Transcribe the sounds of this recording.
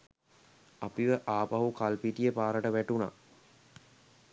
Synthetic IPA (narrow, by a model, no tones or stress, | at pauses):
apiʋəʔaːpaɦukalpiʈijəpaːɾəʈəʋæʈuna̰